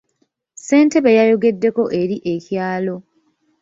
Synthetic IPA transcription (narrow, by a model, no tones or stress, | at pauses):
se̞ːnte̞βejajo̞ɡe̞dːe̞ko̞ʔe̞ɾiʔe̞cjaːlo̞